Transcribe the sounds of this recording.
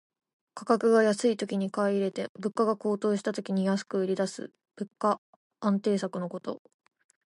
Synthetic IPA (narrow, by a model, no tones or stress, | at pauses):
kʰḁkakɯ̟ɡajasɨit̪o̞kʲiɲ̟ikaiɾe̞t̪e̞bɯ̟kːaɡako̞ːt̪o̞ːɕi̥t̪at̪o̞kʲiɲ̟ijasɨ̥kɯ̟ɯ̟ɾʲid̪asɨ̰ | b̥ɯ̟kːa | ãnt̪e̞ːsakɯ̟no̞ko̞t̪o̞̰